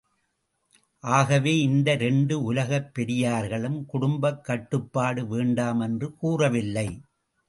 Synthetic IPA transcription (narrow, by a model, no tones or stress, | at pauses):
ʔaːɣɐʋeːɪnd̪ɐɾɛɳɖɯʊlɐɣɐpːɛɾɪjaːɾɣɐɭɯmkʊɽʊmbɐkːɐʈːɯpːaːɽɯʋeːɳɖaːmɛndrɯkuːrɐʋɪlːɐɪ